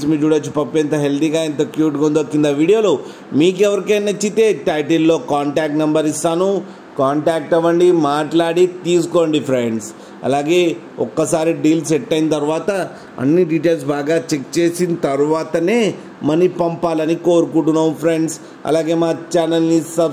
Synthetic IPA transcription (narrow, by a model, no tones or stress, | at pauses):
smiːd͡ʒuːɽɐːt͡ʃupɐpːent̪ɐɦeld̪iːɡaːint̪ɐkjuːʈɡond̪okːind̪ɐʋiːɽijoːlo | miːk̬ɛʋɐɾikeːnɐt͡ʃːit̪e̞ːʈɐjʈilːo̞ːkaːɳʈaːk̚ʈnɐmbɐɾist̪aːnu | kaːɳʈaːk̚ʈɐʋːɐɳɖimaːʈlaːɽit̪iːsu̥koːɳɖipʰɾeɳɖs | ɐ̰laːɡe̞ː | ɔkːɐsaːɾiɖiːlsɛʈːɐjint̪ɐɾuʋaːt̪ɐ | ɐ̰nːiɖiʈeːls̬baːɡaːt͡ʃek̚t͡ʃeːsint̪ɐɾuʋaːt̪ɐne̞ː | mɐnipɐmpaːlɐnikoːɾukuʈunɐːmpʰɾeɳɖs | ɐ̰laːɡe̞ːmaːt͡ʃaːnɐlːisɐ